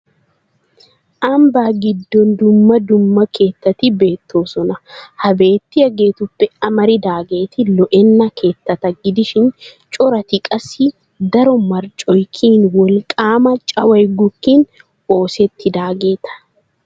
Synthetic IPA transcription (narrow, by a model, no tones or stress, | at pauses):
ʔɐmbaːɡɪd̪ːɔnd̪ʊmːɐd̪ʊmːɐkʰe̞ːt̪ːɐt̪ɪbe̞ːt̪ːo̞ːsɔnɐhɐbe̞ːt̪ːɪjɐɡe̞ːt̪ʊpːɛɐmɐɾɪd̪aːɡe̞ːt̪ɪlɔʔɛnːɐkʰe̞ːt̪ːɐt̪ɐɡɪd̪ɪʃɪn | t͡ʃʼɔɾɐt̪ɪkʼɐsi | d̪ɐɾɔmɐɾt͡ʃʼɔjkʰiːnwɔlkʼaːmɐt͡ʃʼɐwɐjɡʊkːiːn | o̞ːsɛt̪ːɪd̪aːɡe̞ːt̪ɐ̥